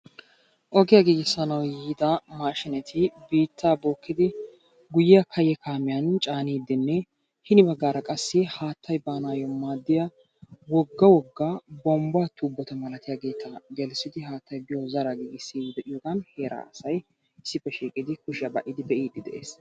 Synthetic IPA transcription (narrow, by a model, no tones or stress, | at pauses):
ʔɔɡɪjaːɡiːɡɪsːɐnɐwjiːd̪ɐmaːʃɪnɛt̪ʰɪbiːt̪ʰːaːboːkːɪd̪ɪ | ɡʊjɪjɐkʰɐjɛkʰaːmɪjant͡ʃʼaːniːd̪ːɪnːɛ | hɪnɪbɐɡːaːɾɐkʼɐsːɪhaːt̪ʰːɐjbaːnaːjɔmaːd̪ːɪja | wɔɡːɐwɔɡːaːbɔmbaːt̪uːbːɔt̪ɐmɐlɐt̪ɪjaːɡe̞ːt̪ɐɡɛlsɪd̪ɪɦaːt̪ʰːɐjbɪjɔzɐɾaɡiːɡɪsːɪjiːd̪ɛʔɪjɔːɡɐnhe̞ːɾʔa̰ːɐsɐj | ɪsːɪpːɛʃiːkʼɪd̪ɪkʊʃɪjabɐʔɪd̪ɪd̪ɛʔiːd̪ːɪd̪ɛ̰ʔḛːs